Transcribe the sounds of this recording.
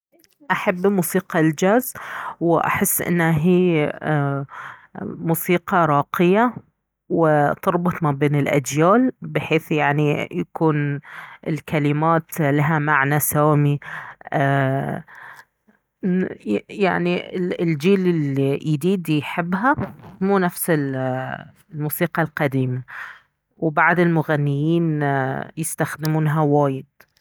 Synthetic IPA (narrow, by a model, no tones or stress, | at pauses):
ʔaħabːmuːsiːqɑld͡ʒaːzwɪʔa̰ħɪsːʔɪ̰nːhaɦiː | muːsiːqɑɾˤɑːqɪja | wɪt̪ɪɾˤbʊt̪ˤmabeːnɪlʔa̰d͡ʒjaːlbɪħeːθjaʕnijakuːnɪlkalɪmaːt̪laɦamaʕnasaːmiaː | jaʕniɪɪld͡ʒiːlɪliʔid̪iːd̪ijħɪbːɦamuːnafsɪl | lmuːsiːqɑlqɑd̪iːma | wbaʕd̪ɪlmʊɣanːɪjiːnjɪst̪axd̪ɪmuːnɦawaːjɪd̪̚